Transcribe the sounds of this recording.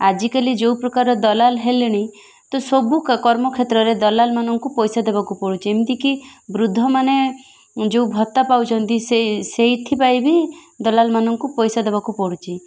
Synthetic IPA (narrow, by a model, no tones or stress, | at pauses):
ad͡ʒikalid͡ʒewpɾɔkaɾɔd̪ɔlalɦeleɽ̃eĩ | t̪ɔsobukkɔɾmɔkʰet̪ɾɔɾed̪ɔlalmanɔŋkupɔjsad̪ebakupɔɽut͡ʃʰiemt̪ikibɾud̪ʱːɔmane | d͡ʒeubʱɔt̪apawt͡ʃʰɔnt̪iseseit̪ʰipajbʱi | d̪ɔlalmanɔŋkupɔjsad̪eβakupɔɽut͡ʃʰi